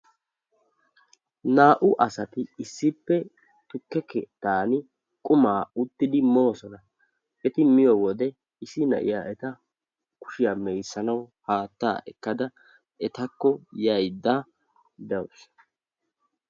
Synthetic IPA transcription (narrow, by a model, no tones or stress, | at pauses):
naːʔʊʔɐsɐt̪ɪɪsːɪpːɛ | t̪ʊkːɛkɛt̪aːnɪ | kʼʊmaːʊt̪ːɪd̪ɪmo̞ːsɔnɐ | ɛt̪ɪmɪjɔwɔd̪ɛ | ɪsɪnɐ̰ʔɪ̰jaːʔɛt̪ɐ | kʊ̥ʃɪjaːmɛjsːɐnɐwhaːt̪ːa̰ːʔɛkːɐd̪ɐ | ɛt̪ɐkːɔjɐjd̪ːaː | d̪ɐwʊs